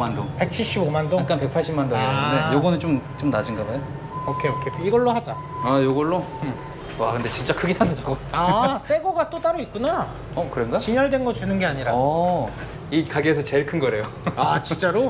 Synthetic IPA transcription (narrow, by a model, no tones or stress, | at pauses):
mandoŋpe̞k̚t͡ɕʰiɭɕ͈ibomandoak͈anpe̞k̚pʰaɭɕ͈imandodejoɡʌnɯnt͡ɕomt͡ɕ͈omnad͡ʑiŋɡaɡajo | okʰeokʰeiɡʌɭːohad͡ʑa | ajoɡʌɭːo | akʰɯnde̞t͡ɕint͡ɕ͈akʰɯɡitʰanɯaɡoas͈ʰe̞ɡoɡat͈ot͈aɾoit̚k̚k͈una | ʌkɯɾenɡat͡ɕiɲʌɭdwe̞nɡʌt͡ɕunɯnɡe̞aɲiɾaʌ | ikaɡeesʰʌt͡ɕe̞ɭkʰɯnɡʌɾe̞jo | aat͡ɕint͡ɕ͈aɾo